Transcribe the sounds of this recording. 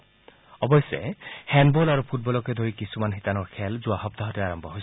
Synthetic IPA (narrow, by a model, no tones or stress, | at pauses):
ɔbɔjsḛhɛnbolaɹupʰut̚bɔlɔked̪ʱoɹikisumanɦit̪anɔɹkʰɛlzʊaɦɔp̚t̪aɦɔteaɹɔmbʱɔɦojs